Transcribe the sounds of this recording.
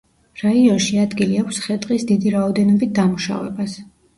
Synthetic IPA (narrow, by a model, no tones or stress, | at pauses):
ɾaiɔnʃiad̪ɡiliapsχɛt̪ʼqʼisd̪id̪iɾaɔd̪ɛnɔbit̪̚d̪amuʃa̰vɛ̰bas